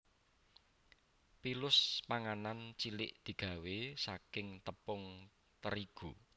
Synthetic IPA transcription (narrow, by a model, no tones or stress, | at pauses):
pilʊspaŋanant͡ʃilɪʔd̪̥i̤ɡ̥ä̤wesakɪŋt̪əpʊŋ | t̪əɾiɡ̥u